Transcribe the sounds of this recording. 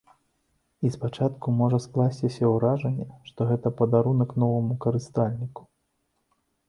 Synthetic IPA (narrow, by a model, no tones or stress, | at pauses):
ispat͡ʂat̪kumɔʐɐsklˠasʲt͡sʲisʲɐwɾaʐɐnʲːɛʂt̪ɔɣɛt̪ɐpɐd̪aɾunɐkn̪ɔvɐmukɐɾɨst̪alʲnʲiku̥